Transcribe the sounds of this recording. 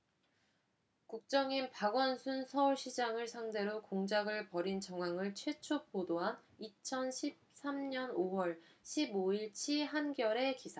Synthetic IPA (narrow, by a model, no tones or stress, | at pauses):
kuk̚t͡ɕ͈ʌŋinpaɡwʌnsʰunsʰʌuɭɕʰid͡ʑaŋɯɭsʰaŋde̞ɾokoŋd͡ʑaɡɯɭpʌɾint͡ɕʌŋwaŋɯɭt͡ɕʰwe̞t͡ɕʰopodoɦanit͡ɕʰʌnɕʰip̚s͈ʰamɲʌnowʌɭɕʰiboiɭt͡ɕʰiɦanɡjʌɾe̞kisʰa